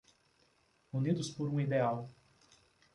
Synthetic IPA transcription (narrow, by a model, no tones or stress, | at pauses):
unid̪ʊspoɾũid̪eaw